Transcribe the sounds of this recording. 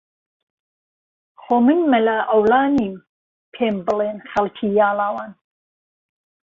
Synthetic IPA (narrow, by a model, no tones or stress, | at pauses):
χoːmɨnmɐlɐʔɐwlɑːniːm | pʰeːmbɨleːnxɐlkʰiːjɑːlɑːwɑːn